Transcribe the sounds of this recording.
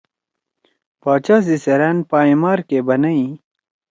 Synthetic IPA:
paːt͡ɕaːs̬iseɾenpaːimaːɾkebɐnɐi

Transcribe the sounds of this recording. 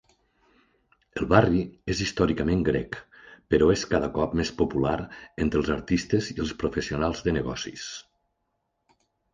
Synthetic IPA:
əlˠβariezist̪ɔɾikəmẽŋɡɾɛk | pəɾɔeskaðəkɔpmespopulaɾent̪ɾəlˠzəɾt̪ist̪əziəlˠspɾufəsiunalˠzðənəɣɔ̰sḭs

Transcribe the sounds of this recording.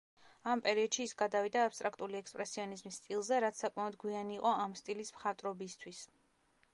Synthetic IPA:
ampʼɛɾiɔd̪ʃiːsɡad̪avid̪aːpst̪ʼɾakʰt̪ʼuliɛkspʼɾɛsiɔnizmisːt̪ʼilˠzɛɾat̪ssakʼmaɔd̪ɡwianiːqʼɔamst̪ʼilismχat̪ʼɾɔbist̪ʰwis

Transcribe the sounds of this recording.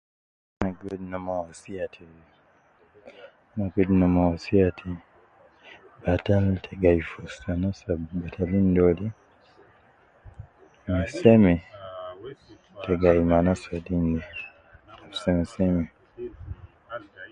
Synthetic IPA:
naɡodnomawasiatʰi | naɡednomawasiatʰi | b̥ataltʰeɡaifosanasabatʰalindoli | misɛmɛ | teɡaimanasadinde | afsemisemi

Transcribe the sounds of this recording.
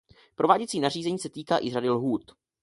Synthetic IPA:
pɾovaːɟɛt͡siːnar̝iːzɛɲiːsɛt̪iːkaːʔɪradɪlɦuːt̪

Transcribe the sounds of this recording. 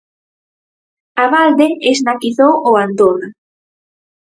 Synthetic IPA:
aβald̪eeznakiθowoand̪ona

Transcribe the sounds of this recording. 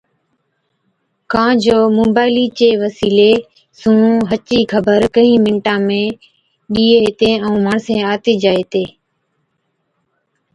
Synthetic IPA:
kãːd͡ʒoːmoːbaːɪliːt͡ʃeːʋəsiːleː | sũːɦət͡ʃiːkʰəbəɾkəɦĩːmɪɳʈãːmẽː | ɗiːeːt̪ẽːəũːmaːɳsẽːaːt̪eːd͡ʒaːeːt̪eː

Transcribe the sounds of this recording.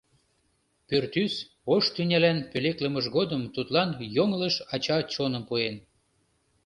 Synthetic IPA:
pørt̪ys | oʃt̪ynʲælænpøleklə̆məʒɣod̪əmt̪ut̪lɑnjoŋləʃɑt͡ɕɑt͡ɕonə̆mpuen

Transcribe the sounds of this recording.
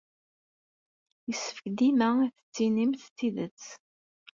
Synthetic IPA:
jəsə̥fə̥çd̪imæiθə̥t͡sːinimθt͡sːiðət͡sː

